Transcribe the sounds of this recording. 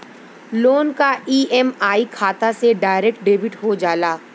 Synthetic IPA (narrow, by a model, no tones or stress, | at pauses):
loːnkaiːɛmaːikʰaːt̪aseɖaːɪɾɛk̚ʈ̚ɖeːbɪʈɦod͡ʒaːlaː